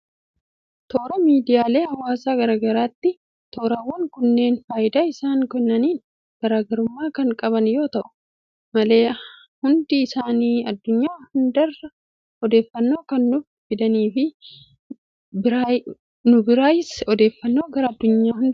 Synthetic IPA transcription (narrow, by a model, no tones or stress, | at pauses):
t̪o̞ːɾɐmiːd̪ɪjaːle̞ːhɐwːaːsaːɡɐɾaːɡɐɾaːt̪ːɪ | t̪o̞ːɾɐwːɐŋkʊnːe̞ːnfaːjɪd̪aːɪsaːŋkɛnːɐniːn | ɡ̥ɐɾaːɡɐɾʊmːaːkɐŋkʼɐβɐnjo̞ːt̪ɐʔʊ̥ | mɐle̞ː | hʊnd̪ɪːsaːniːɐd̪ːʊɲːaːhʊnd̪ɐrːɐ | ɔd̪e̞ːfːɐnːo̞ːkɐnːʊf | fɪd̪ɐniːfɪ | bɪɾa | nʊbɪɾaːjɪsɔd̪e̞ːfːɐnːo̞ːɡɐɾɐɐd̪ːʊɲːaːhʊnd̪